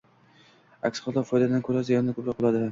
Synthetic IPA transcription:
a̰kʲsχɑlˠd̪ɒfɒjd̪ad̪ankʰɵɾazijɒnd̪akʰɵpɾɒk̚ːolˠad̪ɪ

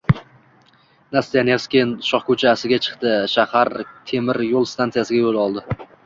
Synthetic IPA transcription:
nast̪ijanefskʲenʃɒχkɵt͡ʃʰaːsɪɡʲat͡ʃʰɨ̥qt̪ɪʃahaɾt̪ʰe̞mɪɾjolˠst̪ʰant̪sɨjasɪɡʲajolˠɒlˠd̪ɪ

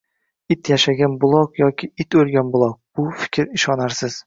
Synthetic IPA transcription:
ɪt̪jaʃaɡʲanbʊlˠɒqjɒkʲʰɪɪt̪ɵlˠɡʲanbʊlˠɒq̚b̥ʊfɪ̥kʲʰɾɪʃɒnaɾsɪz̥

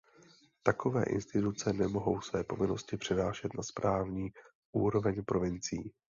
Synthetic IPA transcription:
t̪ako̞vɛ̰ːʔɪ̰nst̪ɪt̪ut͡sɛnɛmo̞ɦo̞wsvɛːpo̞vɪno̞scɪpr̥ɛnaːʃɛt̪naspɾʔaːvɲiː | ʔuːɾo̞vɛɲpɾo̞vɪnt͡siiː

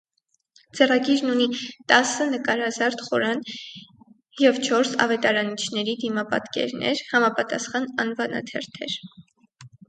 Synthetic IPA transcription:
d͡zɛrɑɡiɾnunit̪ɑsənəkɑɾhɑzɑɾt̪χɔɾɑn | jɛvt͡ʃʰɔɾsɑ̰vɛt̪ɑɾɑnit͡ʃʰnɛɾid̪imɑpɑ̰t̪kɛ̰ɾnɛ̰ɾhɑmɑpɑt̪ɑsχɑnɑnvɑnɑ̰t̪ʰɛɾt̪ʰɛ̰ɾ

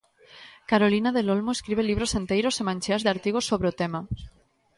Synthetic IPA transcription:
kaɾolinaðelolmoeskɾiβ̞eliβ̞ɾosθent̪ejɾosemãnʲt͡ʃeazðeaɾt̪iɣ̞osoβɾeot̪ema

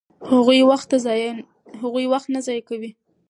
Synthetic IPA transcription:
haɣujwaxt̪ːazɑj | haɣujwaxt̪nazɑjkawi

